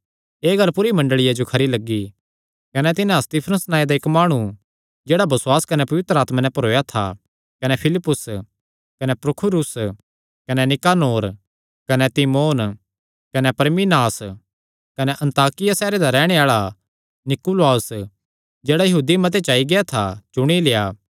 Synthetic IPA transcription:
eːɡɐɾpʊɾimɐ̃ɳɖəɭɪjad͡ʒokʰɐɾilɐɡːi | kɐnɛt̪ɪnãst̪ɪpʰɾəsnaːed̪aɪkmaːɽ̃u | d͡ʒeːɽabɐsʊwaːskɐnɛpɐʋɪt̪ɾəaːt̪manɛ̃pɐɾoːjat̪ʰa̰ | kɐnɛpʰɪlɪpːʊs | kɐnɛpɾʊkʰʊɾʊs | kɐnɛnɪkaːnoːɾ | kɐnɛt̪imoːn | kɐnɛpɐɾminaːs | kɐnɛʔɐ̃nt̪aːkɪjasɛːɾed̪aɾɛːɽ̃eaːɭa | nɪkʊlaːs | d͡ʒeːɽajɐɦuːd̪imɐt̪̬et͡ʃaːiɡɪat̪ʰat͡ʃʊɽ̃ilejaː

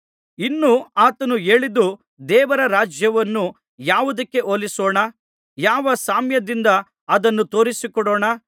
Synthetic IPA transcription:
inːuaːt̪ɐnue̞ːɭid̪u | d̪ɛːʋɐɾɐɾaːd͡ʒjɐʋɐnːu | jaːʋud̪ɐkːe̞ʔolisoːɳɐ | jaːʋɐsaːmjɐd̪ind̪ɐ | ɐd̪ɐnːut̪o̞ːɾisikɔɽɔːɳɐ

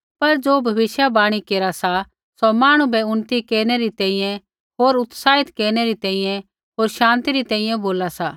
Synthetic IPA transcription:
pɐɾd͡ʒoːbʱɐʋɪʃjabaːɽ̃ikeːɾasa | somaːɽ̃ũbɛʊnt̪ikeːɾneɾit̪ɛ̃ːĩjɛ̃ | ɦoːɾʊt̪saːɦɪt̪keːɾɽ̃eɾit̪ɛ̃ːĩjɛ̃ | ɦoːɾʃãːnt̪iɾit̪ɛ̃ːĩjɛ̃boːlasaː

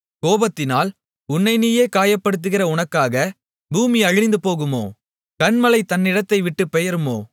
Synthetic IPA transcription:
koːbɐt̪ːɪnaːl | ʊnːɐɪnijeːkaːjɐpːɐɽɯt̪̬ːɯɣɪrɐʊɳɐkːaːɣɐ | buːmiɐɻɪɪnd̪ɯpoːɣɯmo̰ː | kɐɳmɐlɐɪt̪ɐnːɪɽɐt̪ːɐɪʋɪʈːɯpːɛjɐɾɯmo̰ː

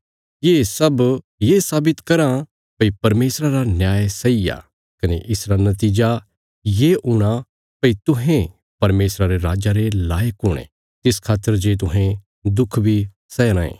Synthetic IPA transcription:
jeːsɐb | jeːsaːbɪt̪kɐɾa | pɐipɐɾmeːsɾaɾanjaːjesɐija̰ː | kɐneʔɪsɾanɐt̪iːd͡ʒa | jeʔʊɽ̃a | pɐit̪ʊɦẽ | pɐɾmeːsɾaɾeɾaːd͡ʒaɾelaːjəkʊːɽ̃ḛ | t̪ɪskʰaːt̪ːəɾd͡ʒeːt̪̬ʊɦɛ̃ | d̪ʊkʰbʱi | sɛːɾãːḛ̃ː

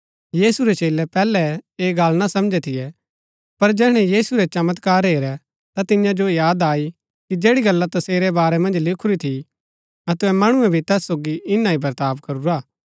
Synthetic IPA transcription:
jiːsuɾɛt͡ʃeːlɛpɛːlɛeːɡaːlnasɐmd͡ʒɛt̪ʰɪjɛ | pɐɾd͡ʒɛːɽ̃ɛjiːsuɾɛt͡ʃɐmət̪kaːɾɦeːɾɛ | t̪at̪ɪjãd͡ʒojaːd̪aːi | kid͡ʒeːɽiɡɐlːat̪ɐseːɾɛbaːɾɛmɐ̃nd͡ʒlɪkʰuɾit̪ʰi | ɐt̪ʊɛmɐɽ̃ʊɛbʱit̪ɛːsːoːɡiʔɪnãibɐɾt̪aːbkɐɾuɾaː

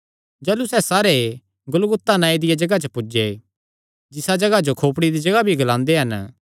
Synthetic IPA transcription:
d͡ʒɛːlusɛsaːɾe | ɡʊlɡʊt̪ːanãːid̪ɪjad͡ʒɐɡat͡ʃəpʊd͡ʒe | d͡ʒɪsad͡ʒɐɡad͡ʒokʰoːpɽ̃id̪id͡ʒɐɡabʱiɡɐlãːnd̪eɦɐn

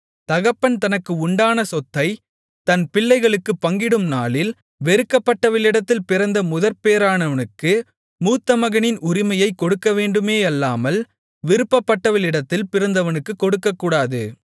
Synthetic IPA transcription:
t̪ɐɣɐpːɐnt̪ɐnɐkːɯʊɳɖaːnɐsɔt̪ːɐɪ | t̪ɐnpɪlːɐɪɣɐɭɯkːɯpːɐŋɡɪɽɯmnaːlɪl | ʋɛɾɯkːɐpːɐʈːɐʋɐlɪɽɐt̪ːɪlpɪɾɐnd̪ɐmʊðɐɾpeːɾaːnɐʋɐnɯkːɯ | muːt̪ːɐmɐɣɐnɪnʊɾɪmɐjɐɪkːɔɽɯkːɐʋeːɳɖɯmeːɐlːaːmɐl | ʋɪɾɯpːɐpːɐʈːɐʋɐɭɪɽɐt̪ːɪlpɪɾɐnd̪ɐʋɐnɯkːɯkːɔɽɯkːɐkːuːɽaːðɯ

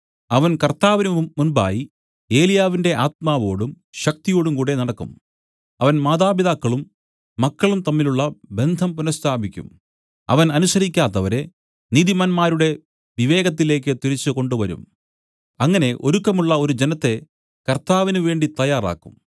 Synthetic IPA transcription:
ɐʋɐnkɐrt̪aːʋinɨːunba̰ːji | e̞ːlijaːʋinde̞ʔaːt̪̚maːʋo̞ːɽum | ɕɐk̚t̪ijo̞ːɽumkuːɽe̞nɐɽɐkːṵm | ɐʋɐnmaːðaːbiðaːkːɐɭumː | ɐkːɐɭumt̪ɐmːiluɭːɐbe̞nd̪ʱɐmpunɐst̪ʰaːbʱikʲːṵm | ɐ̰ʋɐnɐnusɐɾikʲːaːt̪ːɐʋɐɾe̞ | niːðimɐnmaːɾuɽe̞ | ʋiʋe̞ːɣɐt̪̬ːile̞ːk̬ːɨt̪iɾit͡ɕːɨko̞ɳɖuʋɐɾṵm | ɐŋːɐne̞ʔo̞ɾukːɐmuɭːɐo̞ɾud͡ʑenɐt̪ːe̞ | kɐrt̪aːʋinɨʋe̞ːɳɖit̪ɐjaːra̰ːkːṵm

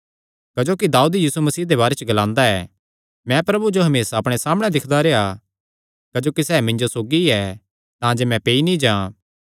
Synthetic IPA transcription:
kɐd͡ʒoːkid̪aːuːd̪jiːsumɐsiːd̪eβaːɾet͡ʃəɡɐlãːnd̪aɛː | mɛ̃pɾɐbud͡ʒoɦɐmeːsaɐpɽ̃esaːmɽ̃ɛd̪ɪkʰd̪aɾea | kɐd͡ʒoːkisɛːmɪ̃ɲnd͡ʒosoːɡiɛ | t̪ãːd͡ʒemɛ̃peːinĩd͡ʒãːã

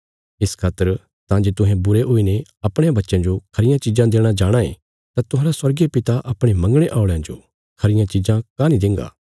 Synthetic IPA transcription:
ɪskʰaːt̪əɾ | t̪ãd͡ʒeːt̪ʊ̃ɦɛ̃bʊɾeɦoːineɐpɽ̃ẽjãbɐtːʃãd͡ʒokʰɐɾɪjãt͡ʃɪd͡ʒãd̪eːɽ̃ad͡ʒaːɽ̃ãẽ | t̪ãt̪ʊɦãːɾaswɐɾɡepɪt̪aʔɐpɽ̃emɐ̃ŋɡɽ̃eʔaːʊɭejãd͡ʒo̰ | kʰɐɾɪjãt͡ʃɪd͡ʒãkanĩd̪ɪ̃ŋɡa̰ː

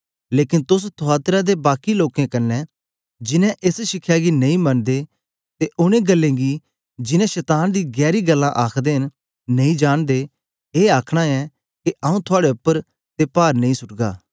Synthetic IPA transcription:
leːkɪ̃nt̪ʊs̬t̪ʰʊaːt̪ɾad̪ebaːkiloːkẽkɐɾnːɛ̃ | d͡ʒɪnɛ̃ʔesʃɪkʰːjaɡinɐ̃ĩmɐnd̪e | t̪eʔʊñẽɡɐlːẽɡi | d͡ʒɪnɛ̃ʃɛːt̪aːnd̪iɡɛːɾiɡɐlːãʔaːkʰd̪eɦɪn | nɐĩd͡ʒaːɽ̃d̪e | eːaːkʰɽ̃aɛ | keʔɐũt̪ʰʊaːɽeʊpːəɾ | t̪epaːɾnɐ̃ĩsʊʈɡa̰ː

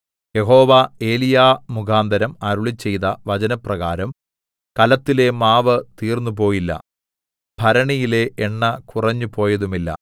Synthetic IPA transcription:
je̞ɦo̞ːʋae̞ːlijaːmukʰaːnd̪ʱɐɾɐmɐɾuɭit͡ɕːe̞jt̪ɐʋɐd͡ʑɐnɐprɐɣaːɾɐm | kɐlɐt̪ːile̞maːʋɐt̪iːrnːupo̞ːjilːɐ̰ | b̥ʱɐɾɐɳijile̞ʔːɳːɐkurɐɲːupo̞ːjɐðumilːɐ̰

